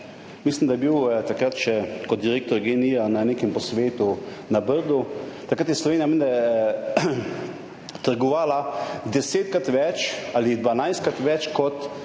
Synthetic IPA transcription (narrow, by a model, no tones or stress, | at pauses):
mislimd̪ajɛbiwt̪akɾat̪ʃɛkɔt̪̚d̪iɾeːk̚t̪ɔɾɡenijananeːkɛmpɔsʋeːt̪unabəɾd̪ut̪akɾat̪jɛslɔʋeːnijamend̪aɛ | t̪əɾɡɔʋaːlad̪ɛseːt̪̚kɾat̪ʋɛt͡ʃalid̪ʋanajst̪kɾat̪ʋɛt͡ʃkɔt̪